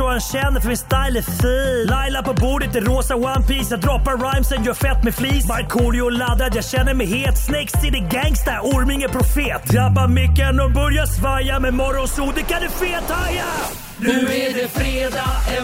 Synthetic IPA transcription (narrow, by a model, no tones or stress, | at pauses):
ɔanɕɛnːəɾfɔmɪnst̪ajlɛfiːlajlapɔbuːɖət̪̚d̪ɛɾoːsawanpiːsjad̪ɾɔpːaɾɾajmsɛnjœːfɛt̪ːmɛfliːsmaɾkʰuːlɪʊlad̪ːad̪jaːɡɕɛnːəɾmɛheːlt̪snɛkst̪ɪd̪ɛɡɛŋst̪aɔɾmɪŋəpʰɾʊfeːt̪ːabamʏkːɛnɔbœɾjasvaɾjamɛmɔɾːɔnsuːd̪ɛkʰand̪ɵfeːt̪ʰaja | nʉæɖɛfɾeːd̪a